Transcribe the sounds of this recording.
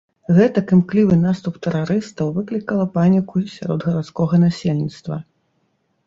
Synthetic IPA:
ɣɛt̪ɐkɨmklʲivɨnast̪upt̪ɛɾaɾɨst̪ɐwvɨklʲikɐlˠɐpanʲikusʲa̰ɾɔ̰d̪ɣɐɾat̪skɔɣɐnasʲelʲnʲit̪st̪vɐ̰

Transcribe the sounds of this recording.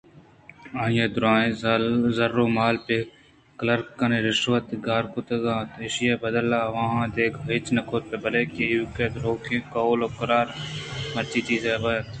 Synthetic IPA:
ãːjẽːd̪ʊɾaːẽːzɐɾːoːmaːlpe | kləɾkːɐneɾɪʃʋət̪ɡaːɾkʊt̪ɐɡãːt̪eʃjeːbɐd̪əlːaːʋɐɦãːd̪eːkʰɪt͡ʃnɐkʰoːt̪̚pebɐleːkejuːkeːd̪ɾoːkʰẽːkoːloːkɐɾaːɾmɐt͡ʃiːt͡ʃiːzeːbɐt̪

